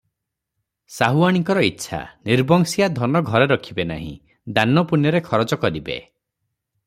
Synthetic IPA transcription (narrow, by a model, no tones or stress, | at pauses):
saɦuaɽ̃iŋkɔɾɔitːʃʰa̰niɾbɔŋsijad̪ʱɔnɔɡʱɔɾeɾɔkʰibena̰ɦḭ̃ | d̪anɔpunjɔɾekʰɔɾɔt͡ʃɔkɔɾibḛ